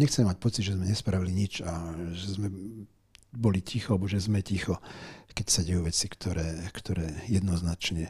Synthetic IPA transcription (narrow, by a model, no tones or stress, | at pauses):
ɲɛxt͡sɛmɛmac̚pɔt͡sid̪ʒɛzmɛɲɛspɾaʋiliɲit͡ʃaʒɛzmɛ | bɔlicixɔalɛbɔʒɛzmɛcixɔkɛcsaɟɛjuʋɛt͡sikt̪ʰɔɾɛːkt̪ʰɔɾɛːjɛd̪nɔznat͡ʃɲɛ